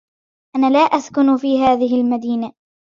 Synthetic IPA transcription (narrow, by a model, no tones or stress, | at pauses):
ʔanaːlaːʔaskʊnfiːɦaːðɪɦɪlmad̪iːna